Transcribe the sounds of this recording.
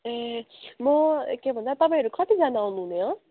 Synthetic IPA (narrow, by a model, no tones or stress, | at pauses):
emʌkebʱʌ̃ndat̪ʌpãĩɦʌɾukʌt̪id͡zanaunuɦũneɦʌ̃